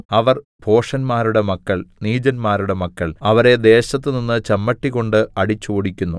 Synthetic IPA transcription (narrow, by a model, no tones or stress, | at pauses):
ɐʋɐr | bʱo̞ːʂɐnmaːɾuɽe̞mɐkːɐɭniːd͡ʑɐnmaːɾuɽe̞mɐkːɐɭɐʋɐɾe̞d̪e̞ːɕɐt̪̬ːɨninːɨt͡ɕɐmːɐʈːikɣo̞ɳɖɨɐɽit͡ɕːuoɽikʲːunːu